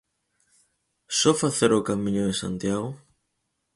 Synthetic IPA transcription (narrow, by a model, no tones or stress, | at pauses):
sɔfaθeɾokamĩɲoðesa̰nt̪jaɣo